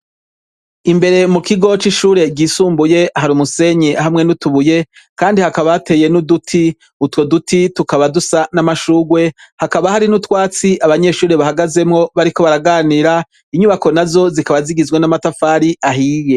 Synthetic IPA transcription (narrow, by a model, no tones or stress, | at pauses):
imbe̞ɾe̞mukiɡo̞t͡ʃiʃuːɾe̞ɡiːsuːmbuje̞ʔaɦaɾumuse̞ɲehamŋe̞nutuβuje̞ | kaːndihakaβate̞ːje̞nudutʰi | utwo̞dutʰitukaβadusanamaʃuɡwe̞hakaβahaɾinutwaːt͡siʔaβaɲe̞ʃuːɾeβahaɡaze̞mŋo̞βaɾiko̞βaɾaɡaːniɾa | iɲuβako̞nazo̞zikaβaziɡizɡwenamatafaːɾiaɦiːje̞